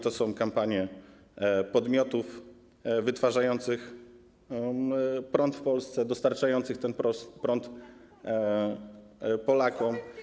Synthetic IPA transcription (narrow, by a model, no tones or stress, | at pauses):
t̪ɔsɔ̃w̃kampaɲjɛ | pɔd̪mʲjɔt̪uf | vɘt̪faʐajɔnt̪sɘx | pɾɔnt̪fpɔlst̪sɛd̪ɔst̪aɾt͡ʂajɔnt̪sɘxt̪ɛnɾɔpɾɔnt̪ | pɔlakɔm